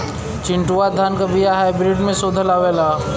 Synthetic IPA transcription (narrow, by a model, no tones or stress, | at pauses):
t͡ʃɪ̃ɳʈuad̪ʱaːnkɐbijaɦaːɪbɾɪʈmẽsoːd̪ʱəlaːʋeːlaː